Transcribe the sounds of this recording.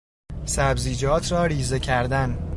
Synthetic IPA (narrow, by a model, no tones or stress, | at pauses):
sæbziːd͡ʒɒːt̪ʰɾɒːɾiːzecʰæɾd̪æn